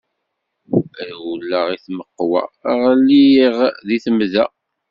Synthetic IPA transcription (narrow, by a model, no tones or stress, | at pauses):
æðulːəʁiθməqːwæ̰ʁlːijiʁðiθəmðæ